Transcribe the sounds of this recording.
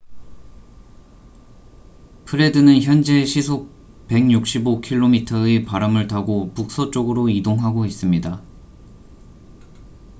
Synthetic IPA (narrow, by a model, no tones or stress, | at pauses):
pʰɯɾe̞dɯnɯnçjʌnd͡ʑe̞ɕʰisʰo | pe̞ŋɲuk̚ɕ͈ibokʰiɭːomitʰʌepaɾamɯɭtaɡopuk̚s͈ʌt͡ɕ͈oɡɯɾoidoŋɦaɡois͈ɯmɲida